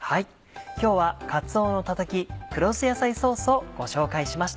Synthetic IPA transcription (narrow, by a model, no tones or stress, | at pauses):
hai | kʲo̞ːβakat͡sɨo̞ːno̞t̪at̪akʲikɯ̟ɾo̞sɨjasaiso̞ːsɨo̞ɡ̥o̞ɕo̞ːkaiɕimaɕi̥t̪a